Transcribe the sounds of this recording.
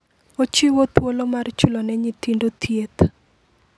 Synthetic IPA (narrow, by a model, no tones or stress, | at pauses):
ot͡ʃiwot̪wolomart͡ʃʊlonɛɲit̪indot̪ʰjet̪